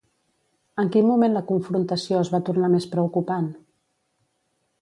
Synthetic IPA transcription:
əŋkinmumenləkuɱfɾunt̪əsioəzβat̪urnamespɾəukupan

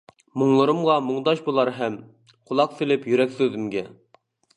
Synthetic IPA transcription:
moŋlˠɨɾɨmʁɑmoŋd̪ɑʃbolˠɑɾɦɛm | qʰolˠɑqsɪlɪpjyɾɛkʲsøzɪmɡʲɛ

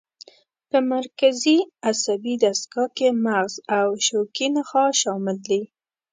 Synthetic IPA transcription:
pəmaɾkaziasabid̪askɑkemaɣzawʃokinaxɑʃɑmɪld̪i

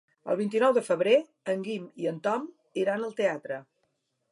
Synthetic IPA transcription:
ə̰lˠβ̞int̪̬inɔwðəfəβɾe | əŋɡimiənt̪ɔm | iɾanəlˠt̪eat̪ɾə

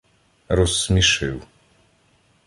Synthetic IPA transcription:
ɾɔsːmʲiʃɪw

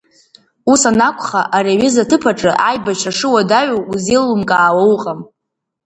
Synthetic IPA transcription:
usanakʷʰʼχaʔareɥɪzatʰɨpʰaʈ͡ʂʼɨʔajbat͡ʃʰaʂɨwadaɥowuzilːumkʼaːwawqʼam

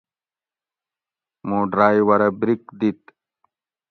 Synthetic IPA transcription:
moːɖɾaːjwɐɾɐbɾikd̪it̪

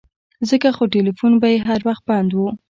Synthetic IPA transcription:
zəkaxoʈelifunbajeɦaɾwaxt̪̚bɑnd̪wu

